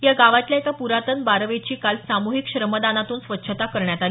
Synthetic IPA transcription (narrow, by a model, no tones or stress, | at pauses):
jaɡaʋat̪ljaekapuɾat̪ənbaɾʋet͡ɕiːkalsamuɦikɕɾəməd̪anat̪uːnsʋətːɕʰət̪akəɾɳjat̪al